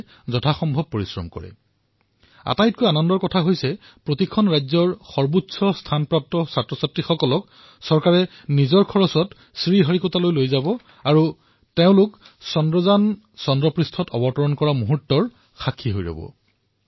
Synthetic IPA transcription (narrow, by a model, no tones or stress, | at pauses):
zɔtʰaxɔmbʱɔb̚poɹisɹɔ̰mkɔ̰ɹɛ̰ | a̰tajt̚kojanɔndɔɹkɔtʰaɦojsɛ | pɹotikʰɔnɹajzɔɹxɔɹbutsʰɔstʰanpɹap̚tɔsatɹɔsatɹixɔkɔlɔk̚ | sɔɹkaɹɛ | nizɔɹkʰɔɹɔsɔt | sɹiɦɔɹikɔtalojlojzabɔ | aɹu | teʊ̃lʊk | sɔndɹɔzan | sɔndɹɔpɹistʰɔtɔbɔtɔɹɔnkɔɹamuɦuɹtːɔɹ | xakʰːiɦojɹɔ̰bɔ̰